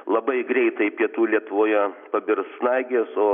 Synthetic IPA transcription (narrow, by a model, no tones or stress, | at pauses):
lˠɐbɐɪɡɾʲɛɪt̪ɐɪpʲiɛt̪uːlʲiɛt̪ʊʋoːjɛpɐbʲɪɾsnɐɪɡʲeːsoː